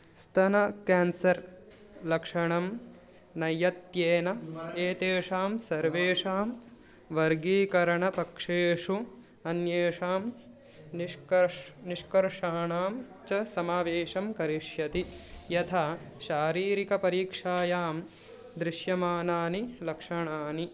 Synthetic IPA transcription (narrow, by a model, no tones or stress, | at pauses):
st̪ʰɐnɐkaːnsɐɾ | lɐkʂɐɳɐm | nɐjɐt̪jeːnɐeːt̪eːʂaːmsɐɾʋeːʂaːm | ʋɐɾɡiːkɐɾɐɳɐpɐkʂeːʂu | ɐnjeːʂaːm | nɐniʂkɐɾʂaːɳaːm | t͡ʃɐsɐmaːʋeːʂɐmkɐɾiʂjɐt̪ijɐt̪ʰa | ʃaːɾiːɾikɐpɐɾiːkʂaːjaːm | d̪ɾɪʃjɐmaːnaːnilɐkʂɐɳaːni